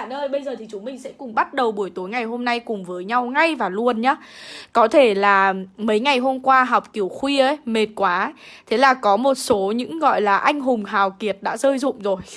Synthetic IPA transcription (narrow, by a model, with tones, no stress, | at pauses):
nəː˧jɓə˧jzəː˨˩t̪ʰi˨˩t͡ɕʊ˨˦mï˨˩ŋ̟sɛ̰˧˥kʊ˨˩ŋ͡mɓa˦˥t̚ɗə˨˩wɓu˧˩əjt̪u˨˦jŋa˨˩jɦo˧mna˧jkʊ˨˩ŋ͡mvəː˨˦jɲa˧wŋa˧jvaː˨˩lu˧ənɲaː˨˦kɔ˨˦t̪ʰe˧˩laː˨˩mə˨˦jŋa˨˩jɦo˧mkwaː˧ɦa˨˩wk͡p̚ki˧˩əwxwi˧ʔə˨˦jme˨˩t̚kwaː˨˦t̪ʰe˨˦laː˨˩kɔ˨˦mo˨˩t̚so˨˦ɲɨ̰˧˥ŋɣɔ̰˧˨jlaː˨˩ʔa˧jŋ̟ɦʊ˨˩ŋ͡mɦaː˨˩wki˨˩ət̚ɗa̰ː˧˥zəː˧jzʊ̰˧˨ŋ͡mzo˨˩j